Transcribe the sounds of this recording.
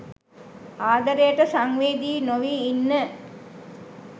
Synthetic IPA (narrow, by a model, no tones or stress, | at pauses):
aːd̪əɾəjəʈəsaŋʋeːd̪iːnoʋiːnːə